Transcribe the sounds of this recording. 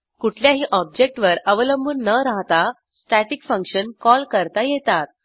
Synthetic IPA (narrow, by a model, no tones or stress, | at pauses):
kuʈʰljaɦiːʔɔb̚d͡ʑek̚ʈʋəɾəʋələmbuːnːəɾaɦt̪a | sʈæʈikfəŋkɕənkɔlkəɾt̪ajet̪at̪̚